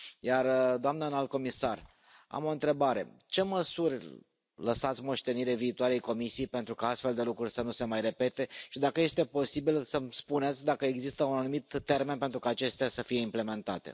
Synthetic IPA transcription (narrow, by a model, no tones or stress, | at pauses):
jard̪oamnənalt̪̚ko̞misar | a̰mo̞ɨnt̪ɾe̞baɾe̞̰t͡ʃe̞məsurʲ | ləsat̪sʲmo̞ʃt̪e̞niɾeviːt̪oaɾejko̞misiejpe̞nt̪ɾukaast̪fe̞ld̪e̞lukɾurʲsənuse̞majre̞pe̞t̪e̞ʃid̪akəje̞st̪e̞po̞sibilsəmspunet̪sʲd̪akəeɡzist̪əunanumit̪ːe̞rmenpe̞nt̪ɾukaːt͡ʃe̞st̪easəfije̞imple̞me̞nt̪a̰t̪ḛ